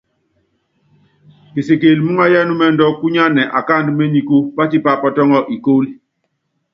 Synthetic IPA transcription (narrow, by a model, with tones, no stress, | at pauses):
ki˨se˨ke˨lmu˦ŋa˦ja˦nu˦mɛ˦ndɔ˦ku˦ɲa˦nɛ˨ʔa˨ka˦˨ndu˨˦me˦ɲi˨ku˦pa˦ti˦pa˦˨pɔ˦˨tɔ˦ŋɔ˦ʔi˨ko˦li˨